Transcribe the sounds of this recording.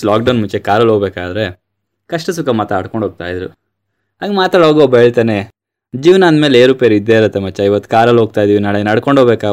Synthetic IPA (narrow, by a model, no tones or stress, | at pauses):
laːk̚ɖɐwnmut͡ʃekaːɾɐlɦoɡbeːkaːd̪ɾe̞ | kɐʂʈɐs̬ukɐmɐt̪aːɽkoɳʱoɡ̚t̪a̰ːjd̪ɾṵ | ɦaːɡemaːt̪aːɽɦoːɡoɔbːɦeːɭt̪aːne | d͡ʒiːʋnaːnd̪meːleːɾuːpeːɾid̪ːe̞ːiɾɐt̪ːemɐt͡ʃːɐiʋɐt̪ːu̥kaːɾɐlɦoːɡ̚t̪aːjid̪iʋinaɭeenɐɽkoɳɖʱɦoɡbeːka